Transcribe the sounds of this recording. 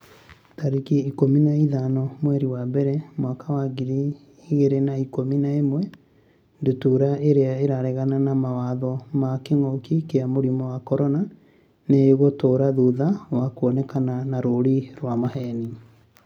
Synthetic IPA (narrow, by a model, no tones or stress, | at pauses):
taɾikiikominaiðanɔmwɛɾiwabɛɾɛmwakawaɡiɾi | iɣeɾenaikominaemwɛ | ndotuɾaʔeɾeaeɾaɾɛɣananamawaðɔmakeŋɔkikeamoɾimɔwakɔɾɔna | neːɣotoɾaðuðawakuɔnɛkananaɾoɾiɾwamahɛni